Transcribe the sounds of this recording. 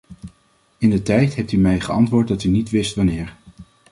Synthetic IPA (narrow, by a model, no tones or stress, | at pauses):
ɪndətɛjtɦɛp̚tymɛjχəɑntʋʊːɹt̚dɑtynitʋɪstʋɑnɪːɹ